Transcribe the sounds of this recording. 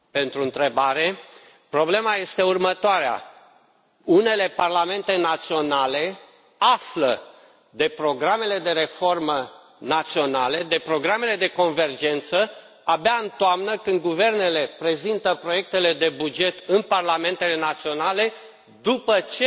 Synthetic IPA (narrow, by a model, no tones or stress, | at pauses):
pe̞nt̪ɾuɨnt̪ɾe̞baɾe̞ | pɾo̞ble̞maje̞st̪e̞urmət̪oaɾea̰ | une̞le̞parlame̞nt̪e̞nat̪sio̞nale̞ | aflə | d̪e̞pɾo̞ɡɾame̞le̞d̪e̞ɾe̞fo̞rmə | nat̪sio̞nale̞d̪e̞pɾo̞ɡɾame̞le̞d̪e̞ko̞nve̞rd͡ʒe̞nt̪sə | abeaɨnt̪oamnəkɨnd̪̚ɡuve̞rne̞lepɾe̞zint̪əpɾoje̞k̚t̪e̞le̞d̪e̞bud͡ʒe̞t̪ɨnparlame̞nt̪e̞le̞nat̪sio̞nale̞ | d̪upət͡ʃe